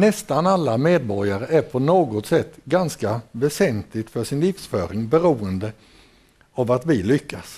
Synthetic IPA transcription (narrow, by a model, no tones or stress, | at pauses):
nɛst̪analːameːd̪̚bɔɾjaɾəʔæɾpʰɔnoːɡɔt̪sɛt̪ːɡanskavɛsɛnt̪lɪɡt̪fœʂɪnlɪːfsfœːɾɪŋbɛɾuːənd̪ə | avat̪vɪlʏkʰːas